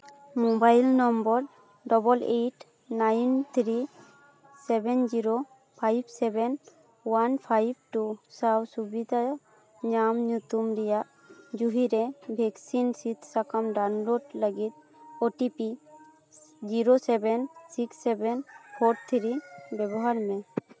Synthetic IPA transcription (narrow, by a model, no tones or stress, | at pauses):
mobajlnɔmbɔɾ | ɖɔbɔleʈ | najnt̪ʰɾi | sɛbɛnd͡ʒiɾo | pʰajbsɛbɛn | wanpʰajb̚ʈusawsubid̪ʱa | ɲamɲut̪umɾɛjaʔ | d͡ʒuɦiɾɛbʱɛksinsit̪ʰsakamɖanloɖləɡit̪̚ | oʈipi | d͡ʒiɾosɛbɛnsiksːɛbɛnhʰoʈ̚t̪ʰɾibɛbɔɦaɾmɛ